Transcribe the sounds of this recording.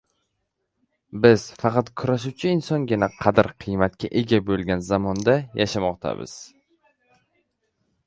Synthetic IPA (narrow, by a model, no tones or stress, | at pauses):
bɪz̥fɑqɑt̪kʰʊɾaʃ̬uwt͡ʃʰɪɪnsɒnɡʲɪnaqʰɑd̪ɪɾqʰɨjmat̪̚kʲʰaʔe̞ɡʲabolˠɡʲanzamɒnd̪ajaʃamɒqt̪ʰa̰bɪ̰z̥